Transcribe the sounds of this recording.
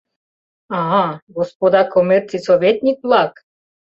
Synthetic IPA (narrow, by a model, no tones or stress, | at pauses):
ɑɦɑɡospod̪ɑkomʲert͡sisovʲet̪ʲnʲik̚blˠɑk